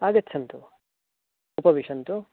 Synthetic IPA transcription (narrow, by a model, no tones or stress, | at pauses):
aːɡɐtːt͡ʃʰːɐnt̪u | upɐʋiʂɐnt̪u